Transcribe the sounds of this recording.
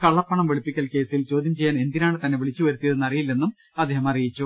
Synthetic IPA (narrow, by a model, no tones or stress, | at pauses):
kɐɭːɐpːɐɳɐmʋiɭipːikʲːɐlke̞ːsilt͡ɕo̞ːd̪ʱjɐmt͡ɕe̞jːaːne̞nd̪inaːɳɨt̪ɐnːe̞ʋiɭit͡ɕːɨʋɐɾut̪ːijɐðɨnɐrijilːenːum | ɐd̪ːeːɦɐmɐrijit͡ɕːu